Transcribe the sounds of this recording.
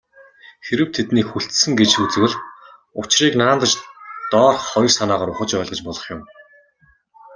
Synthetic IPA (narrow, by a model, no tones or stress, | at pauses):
xeɾɘ̆w̥t̪ʰet̪niːkxuɬt̪sɘ̆ŋɡet͡ɕut͡sɘ̆wɘ̆ɮ | ʊt͡ɕriːknaːnt̪ə̆t͡ɕt̪ɔːrχχɔjrsanaːʁaːɾʊχə̆t͡ɕpœːɮʁə̆t͡ɕpɔɮɞ̆χjʊm